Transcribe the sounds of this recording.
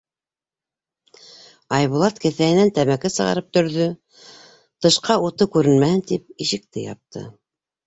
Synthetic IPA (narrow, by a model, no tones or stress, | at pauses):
ɑjβulˠɑt̪kɘ̆θæhɘ̆nænt̪æmækɘsɤ̆ʁɑ̰ɾɤp̚t̪ɵ̆ɾðɵ | t̪ɤ̆ʃqɑut̪ɤkʉɾɘ̆nmæhɘnt̪ip̚iʃɘ̆k̚t̪ɘ̰jɑ̰p̚t̪ʰɤ̰